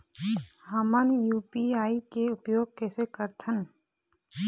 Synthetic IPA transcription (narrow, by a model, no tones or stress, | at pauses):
ɦəmənjuːpiaːikeʊpjoːɡ̚kɛːsekəɾt̪ʰən